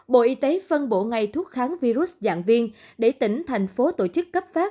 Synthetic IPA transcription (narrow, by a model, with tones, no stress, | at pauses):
ɓo̰˧˨ʔi˧t̪e˨˦fə˧nɓo̰˧˩˨ŋa˨˩jt̪ʰu˦˥ət̚xaː˨˦ŋvi˧ɾu˦˥s̚za̰ː˧˨ŋvi˧ənɗe˧˩t̪ï˧˩ŋ̟t̪ʰa˨˩jŋ̟fo˨˦t̪o̰˧˩t͡ɕɨ˦˥kːə˦˥p̚faː˦˥p̚